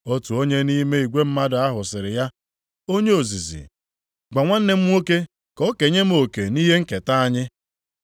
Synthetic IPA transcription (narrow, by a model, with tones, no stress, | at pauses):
o˦tu˨o˦ɲe˦ni˦me˦i˨ɡʷe˦m̩˦ma˦dʊ˨a˦ɦʊ˨sɪ˨ɾɪ˨ja˦ | o˦ɲe˦o˨zi˨zḭ˨ | ɡ͡ba˨ŋʷa˦n̩˦ne˦m̩˦ŋo˦ke˦ | kɔ˦ke˨ɲe˦m̩˦o˨ke˨ni˦ɦe˦ŋ̩˦ke˨ta˦a˦ɲɪ˦